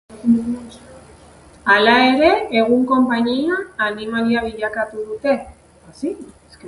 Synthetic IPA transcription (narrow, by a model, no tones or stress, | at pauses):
alae̞ɾe̞eɣ̞uŋko̞mpaɲiaːnimaɾiaβ̞iʎakat̪uðut̪e̞ | s | s